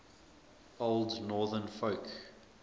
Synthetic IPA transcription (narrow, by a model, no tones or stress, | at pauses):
olˠdnɔːðənfoʊk